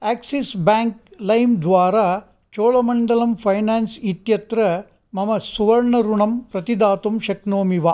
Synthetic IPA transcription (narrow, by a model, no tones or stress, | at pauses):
aːksisbaːŋk̚lɐjmd̪ʋaːɾaː | t͡ʃoːɭɐmɐɳɖɐlɐmpʰɐjnaːnsit̪jɐt̪ɾɐ | mɐmɐsuʋɐɾɳɐɾuɳɐmpɾɐt̪id̪aːt̪umʃɐknoːmiʋa